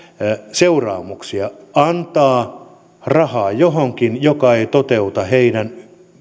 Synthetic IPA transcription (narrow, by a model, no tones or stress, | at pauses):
seurɑ̰ːmuksiɑɑnt̪ɑː | rɑhɑːjoɦoŋkinjokɑeit̪ot̪eut̪ɑheinæn